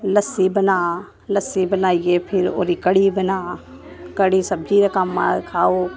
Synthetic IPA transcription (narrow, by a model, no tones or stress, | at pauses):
lɐsibɐnaː | lɐsibɐnaːiepʰɪɾo̰ːɾikɐɽibɐnaː | kəɽisɐb̚d͡ʒiɾɐkəmːa̰kʰaːoː